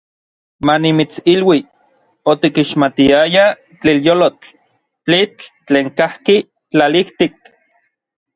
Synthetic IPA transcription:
manimit͡silwi | ot̪ikiʃmat̪iaja | t͡ɬiljolot͡ɬ | t͡ɬit͡ɬːt͡ɬeːŋkahki | t͡ɬaliht̪ik̚

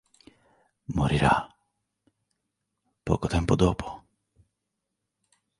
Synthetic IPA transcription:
moɾiɾa̰ | po̰kot̪empod̪opʰo̥

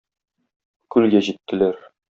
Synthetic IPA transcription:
kʉlɡæʑit̪ːɘ̆læɾ

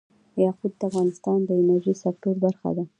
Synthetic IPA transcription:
jɑqud̪̚d̪əafɣɑnɪst̪ɑnd̪əɪnaɾʒisak̚t̪oɾb̪aɾxa̰d̪a

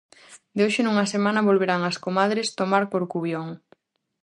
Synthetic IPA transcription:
d̪eoʃɪnuŋɐsemãnɐβolβeɾaŋɐskomaðɾest̪omaɾpoɾkuβjoŋ

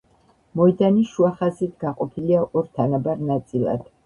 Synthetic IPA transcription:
mɔid̪aniʃuaχazit̪ʰɡaqʼɔpʰiliaʔɔɾt̪ʰanabaɾnat̪sʼilˠa̰d̪̥

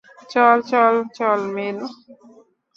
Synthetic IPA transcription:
t͡ʃɔlt͡ʃɔlt͡ʃɔlmel

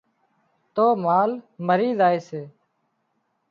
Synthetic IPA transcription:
t̪oːmaːlməɾiːzaːeːseː

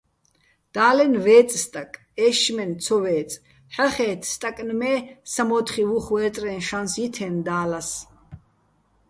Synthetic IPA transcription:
d̪̥aːlɛnvɛːt͡sʼst̪ʼakʼ | ɛːʃmɛnt͡sʰɔvɛːt͡sʼ | ħaχɛːt̪ʰst̪ʼakʼnmɛːsamɔːt̪χivuχwɛːt̪ʼɾɛnʃansjit̪ʰɛnd̪aːlas

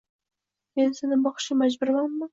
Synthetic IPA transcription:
me̞nsenɪbɒχʃɪmad͡ʒbʊɾmanma

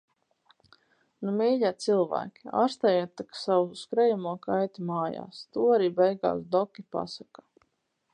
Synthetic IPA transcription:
numɛːʎaːt̪silˠvæ̰ːkʲi̥a̰ːɾst̪ajat̪ːaksawuuskɾɛjamuɔkajt̪imaːja̰ːst̪uːaɾiːbɛjɡa̰ːsd̪ɔkʲipa̰sakḁ

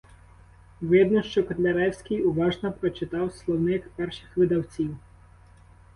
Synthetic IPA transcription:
ʋɪd̪nɔʃt͡ʃɔkɔt̪lʲɐɾɛwsʲkʲɪjʊʋɑʒnɔpɾɔt͡ʃɪt̪ɑwslˠɔwnɪkpɛrʃɪxʋɪd̪ɐwt͡sʲiw

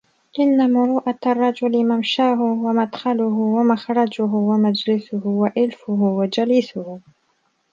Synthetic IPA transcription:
ʔɪnːamʊɾuːʔarˤːɑd͡ʒʊlɪmamʃaːɦʊwamad̪xɑlʊɦʊwamaxɾˤɑd͡ʒʊɦʊwamad͡ʒlɪsʊhʊwaʔɪlfʊɦʊwad͡ʒaliːsʊhʊ

